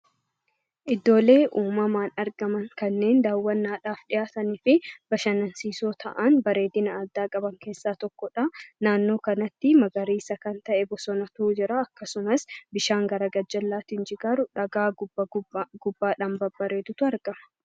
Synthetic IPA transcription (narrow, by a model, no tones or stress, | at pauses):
ʔɪd̪ːo̞ːle̞ːʔuːmɐmaːnɐɾɡɐmɐŋkɐnːe̞ːnd̪aːwːɐnːaːᶑaːfᶑɪjaːt̪ɐnɪːfɪb̥ɐʃɐnɐnsiːsoːt̪ʰɐ̰ʔɐnbɐɾe̞ːd̪ɪnɐːd̪ːaːkʼɐbɐŋke̞ːsːaːt̪ɔkːɔᶑɐnaːnːo̞ːkɐnɐt̪ːɪmɐɡɐɾiːsɐkɐnt̪ɐʔɛbɔsɔnɐt̪ud͡ʒɪɾaːɐkːɐsʊmɐsbɪʃaːŋɡɐɾɐɡɐd͡ʒːɐlːaːt̪ɪnd͡ʒɪɡaːɾʊᶑɐɡaː | ɡ̥ʊbːaːᶑɐmbɐbːɐɾeːd̪ʊt̪ʊɐɾɡɐmɐ̥